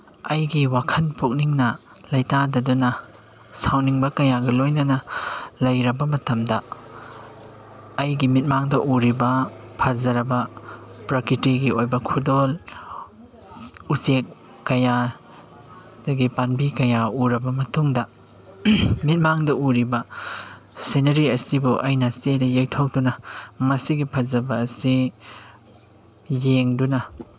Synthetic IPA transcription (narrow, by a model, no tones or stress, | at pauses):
ɐjɡiwakʰɐnpuk̚niŋnɐ | lɐjtadɐdunɐ | sawniŋbɐkɐjaɡɐlojnɐnɐlɐjɾɐbɐmɐtɐmdɐ | ɐjɡimit̚maŋdɐʔuɾibɐpʰazɐɾɐbɐpɾɐkitiɡiojbɐkʰudol | usekː | ɐja | dɐɡipanbikɐjauɾɐbɐmɐtuŋdɐ | mit̚maŋdɐuɾibɐ | senɐɾiɐsibuʔɐjnɐsedɐjejtʰok̚dunɐmɐsiɡipʰɐzɐbɐːsi | jeŋdunɐ